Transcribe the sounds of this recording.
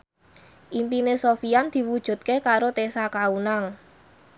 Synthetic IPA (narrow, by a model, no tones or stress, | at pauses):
ʔimpinesofijand̪̥i̤wud̥ʒ̥ṳt̪̚kekaɾot̪esakaunaŋ